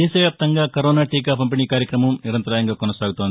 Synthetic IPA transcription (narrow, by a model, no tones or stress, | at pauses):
ɛːʃɐʋjaːpt̪ɐŋɡaːkɐɾoːnaːʈiːk̬aːpɐmpiniːkaːɾjɐkɾɐmɐmniɾɐnt̪ɐɾaːjɐŋɡaːkɔnɐsaːɡut̪oːd̪